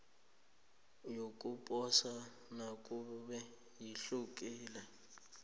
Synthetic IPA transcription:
jokʼupʼɔsa | nakʼuɓɛ | jiɬuk̬ʼiːla

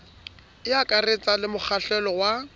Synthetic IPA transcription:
ɪakʼaret͡sʼalɪmʊk͡xʰaɬɛlɔwa

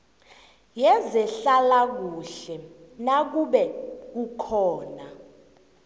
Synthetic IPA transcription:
jɛzɛɬalak̬uɬɛnak̬uɓɛk̬ukʰɔːna

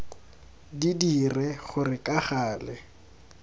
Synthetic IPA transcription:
didirɛχʊrɪkʼaχaːlɛ

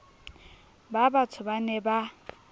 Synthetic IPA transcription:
babatʰʊbanɛba

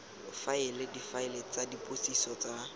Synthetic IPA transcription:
faɪlɪdifaɪlet͡sadipʼosisɔt͡sa

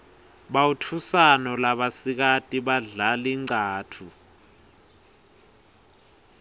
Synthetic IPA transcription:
ɓawutʰusanɔlaɓasik̬atʼiɓaɮaliŋ͡ǀaːtʰu

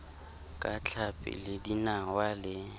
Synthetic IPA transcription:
kʼat͡ɬʰapʼɪ̰lɪdinawalɪ

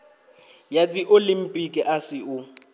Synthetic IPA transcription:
jadiʔolim̩pʼikʼɪʔasɪʊ

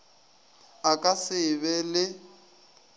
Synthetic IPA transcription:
akʼasɪβɛlɪ

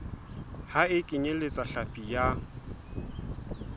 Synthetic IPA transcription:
haɪkʼɪɲelɪt͡sʼaɬapʼija

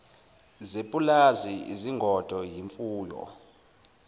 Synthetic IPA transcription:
zepʼulaziḭziŋɡʱɔd̥ʱɔjiɱfuːjɔ̰

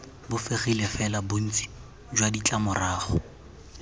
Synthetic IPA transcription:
bʊfɪχilefɛlabʊn̩t͡sʼi̥ | d͡ʒwadit͡ɬʼamʊraːχʊ̰

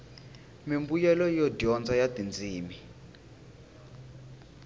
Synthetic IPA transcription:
mimbujɛlɔjɔdɔnd͡zajadind͡ziːmi

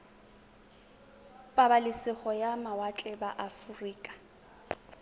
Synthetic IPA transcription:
pʼabalɪsɪχɔjamawat͡ɬʼɛbaʔafuriːkʼḁ

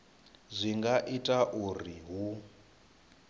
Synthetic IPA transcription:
zʷiŋɡaʔitʼaʔuriɦu

